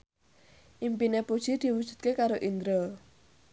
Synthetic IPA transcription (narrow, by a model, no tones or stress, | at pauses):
ʔimpinepud̥ʒ̥i̤d̪̥i̤wud̥ʒ̥ṳt̪̚kekaɾoʔind̪ɾo